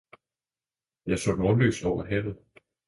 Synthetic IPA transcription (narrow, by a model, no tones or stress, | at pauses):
jɑ̈ɪsɔ̽nɒːlø̰ːsd̥ɒʊ̰ɐɦɛʋð̩ˠ